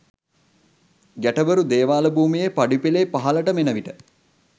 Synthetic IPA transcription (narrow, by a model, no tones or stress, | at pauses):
ɡæʈəbəɾud̪eːʋaːləbuːmijepaɖipileːpaɦɐləʈəmenəʋiʈə